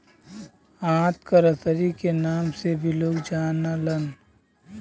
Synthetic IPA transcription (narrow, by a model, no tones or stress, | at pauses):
ãːt̪kəɾəsəɾikenaːmsebʱiloːɡd͡ʒaːnalən